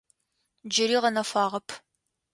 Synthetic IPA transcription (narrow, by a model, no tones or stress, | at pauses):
d͡ʒɪɾiːʁɐnɐfaːʁɐpʰ